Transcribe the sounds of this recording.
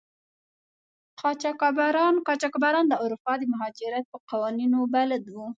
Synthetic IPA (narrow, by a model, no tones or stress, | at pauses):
qʰɑt͡ʃɑkɑbaɾɑnqɑt͡ʃɑkɑbaɾɑnd̪əuɾupɑd̪əmaɦɑd͡ʒɪɾjat̪̚pəqɑwɑninobalad̪wu